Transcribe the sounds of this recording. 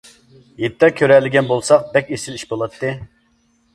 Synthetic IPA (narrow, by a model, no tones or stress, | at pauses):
jet̪ʰːɛkʲʰøɾɛlːɪɡʲɛnbolˠsɑq̚bɛkʲesɪliʃbolˠɑt̪ːɨ